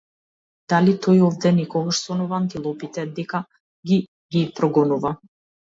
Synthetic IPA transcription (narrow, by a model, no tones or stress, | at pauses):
d̪̥alit̪ʰɔjɔvd̪ɛnɛkɔɡaʃsɔnɔvaːnt̪ilˠɔpit̪ɛd̪ɛka | ɡi | ɡipɾɔɡɔnuva